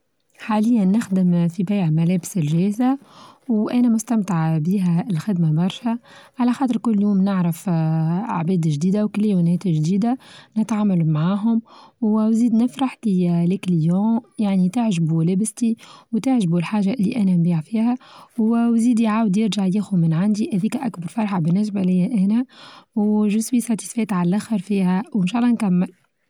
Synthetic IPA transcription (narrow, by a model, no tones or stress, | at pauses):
ħaːlɪjːænːɪxd̪ɪmfibæjʕmælɛːbɪsɪlʒɛːzawʔænɛmʊst̪æmt̪aʕbiːɦælxɪd̪mabɑɾˤʃæʕalæxɑːt̪əɾkʊlːjuːmnɪʕɾɑf | a̰ʕbɛːd̪ʒd̪iːd̪awkljunɛːt̪ʒd̪iːd̪anɪt̪ʕaːmalumʕaːɦʊmwwziːd̪nɪfɾɑħt̪ilɪkljɑ̃ːjaʕnit̪ɪʕʒbulæbɪst̪iwt̪ɪʕʒbulħaːʒaʔɪlːḭʔænænbiːʕfiːhæwwziːd̪iʕaːwd̪jɪɾʒaʕjiːxumɪnʕand̪ihæðiːkæʔakbɑɾˤfɑɾˤħabɪnːɪs̬bælɪjːæʔæːnæwʒʊswisˤɑt̪i̥sfɛːt̪ʕallʔæxəɾfiːhæwɪnʃɑːʔlːɑnkæmːɪl